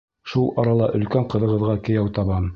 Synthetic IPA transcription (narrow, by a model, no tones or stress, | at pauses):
ʃulˠɑɾɑlˠɑʔɵ̆lkæɴqɤ̆ðɤ̆ʁɤ̆ðʁɑkɘ̆jæwt̪ɑβɑm